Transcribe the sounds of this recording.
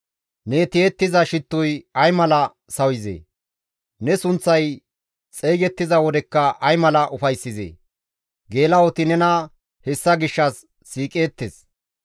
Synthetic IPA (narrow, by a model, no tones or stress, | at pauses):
nɛt̪ɪeːt̪ːɪzɐʃɪt̪ːʊjɐjmɐlɐ | sɐwɪzḛː | nɛsʊnt͡sːɐj | t͡sʼejɡɛt̪ːɪzɐwɔd̪ɛkːɐʔɐjmɐlɐʔʊfɐjsːɪzḛː | ɡe̞ːlɐwɔt̪ɪnɛnɐ | hɛsːɐɡɪʃːɐsː | iːkʼeːt̪ːes